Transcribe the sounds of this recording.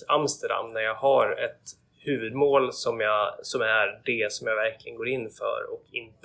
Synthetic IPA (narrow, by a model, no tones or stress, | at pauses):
amst̪əɖa̰mːnæɾjɑːɡhɑɾɛt̪ | hʉ̟ːvɵd̪moːlsɔmjɑsɔmæɾɖɛsɔmjaːɡvæɾklɪɡənɡoːɾɪnːfœ̰ɾɔ̰kɪnt̪